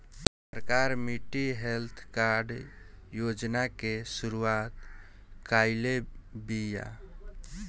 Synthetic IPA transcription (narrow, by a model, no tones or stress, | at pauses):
əɾkaɾmiʈiɦelt̪ʰkaɾɖjod͡ʒnakesuɾuat̪ | kaɪlebija̰